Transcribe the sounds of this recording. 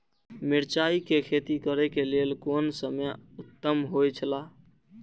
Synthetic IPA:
miɾt͡ʃaikekʰet̪ikəɾekelelkonsəmeut̪ːəmɦojt͡ʃʰəla

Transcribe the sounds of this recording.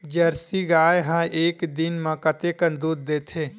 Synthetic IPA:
d͡ʒəɾsiɡaːjɦãʔeːkd̪ɪnmɐ̃kət̪ekə̃nd̪uːd̪ːeːt̪ʰeː

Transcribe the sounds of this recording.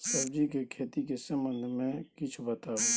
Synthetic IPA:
sɐbd͡ʒikekʰeːt̪ikesə̃mə̃nd̪ʱmẽkɪt͡ʃʰbət̪aːɦo

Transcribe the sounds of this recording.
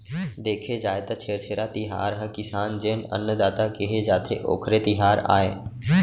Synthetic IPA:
d̪eːkʰed͡ʒaːet̪at͡ʃʰeːɾt͡ʃʰeːɾat̪ɪɦa̰ːɾɦə̃kɪsaːnd͡ʒeːnə̰nːəd̪aːt̪akeɦed͡ʒaːt̪ʰeʔo̰ːkʰɾet̪ɪɦaːɾa̰ːeː

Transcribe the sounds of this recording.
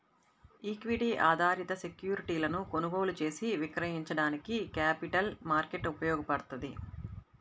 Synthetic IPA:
iːkʋiɽiːʔaːd̪ʱaːɾit̪ɐse̞kjuːɾiʈiːlɐnukonuɡoːlut͡ʃe̞ːsiʋikɾɐɦiɲt͡ʃɐɽaːnikikaːpiʈɐlmaːɾke̞ʈupɐjɔːɡɐpɐɽɐt̪und̪ḭ

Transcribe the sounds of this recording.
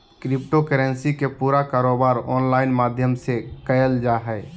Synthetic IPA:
kɾɪpʈokəɾɛnsikepuːɾakaːɾoːbaːɾɔːnlaːɪnmaːd̪ʱjəmsekəjəld͡ʒaɦɛː

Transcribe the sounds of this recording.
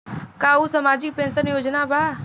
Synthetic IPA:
kausɐmaːd͡ʒɪk̚pẽːnsənjoːd͡ʒnabʱaː

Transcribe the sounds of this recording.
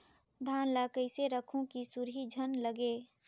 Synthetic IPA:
d̪ʱaːnlakəɪseɾəkʰõkisuɾɦid͡ʒʱənləɡeː

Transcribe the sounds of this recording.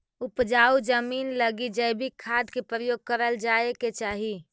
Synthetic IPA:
upd͡ʒaud͡ʒəminləɡid͡ʒəjbʱikʰːad̪kepɾəjoɡ̚kəɾəld͡ʒaeket͡ʃaɦi

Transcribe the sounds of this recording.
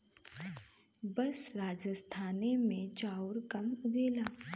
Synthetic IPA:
bɐsɾaːd͡ʒəst̪ʰaːnemẽt͡ʃaːʊɾkɐmʊɡeːlaː

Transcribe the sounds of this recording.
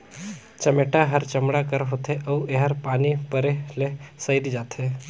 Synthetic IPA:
t͡ʃəmeʈaɦəɾt͡ʃəmɽakəɾɦot̪ʰeʔɐueɦəɾpaːnipəɾelesəjd̪d͡ʒaːt̪ʰe

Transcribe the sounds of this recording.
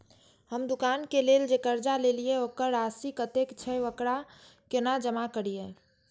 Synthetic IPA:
həmd̪ukankeleld͡ʒekəɾd͡ʒalelieokəɾasikət̪ekt͡ʃʰɛəkɾa | kenad͡ʒəmakəɾije

